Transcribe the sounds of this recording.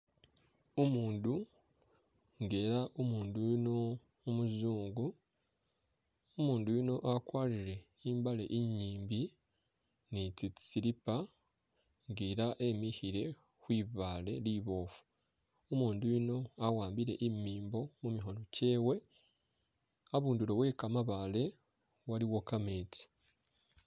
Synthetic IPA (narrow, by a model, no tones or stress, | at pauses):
omuːndu | ŋɡe̞ːɾaʔomuːndujinoː | muzuːŋɡu | omuːndujino̞ʔakwaːliɾe̞ | iːmbale̞̰ʔiɲːiːmbi | nitii̥siɾipa | ŋɡiːɾaʔe̞mihiɾe̞ | xwiːβaːle̞liβo̞ːfu̥ | omuːndujino̞awaːmbiɾe̞ʔimiːmbo̞mumiɦo̞no̞ce̞ːwe̞ | aβuːndulo̞we̞ːkamaβale̞ | waliwo̞kameːti̥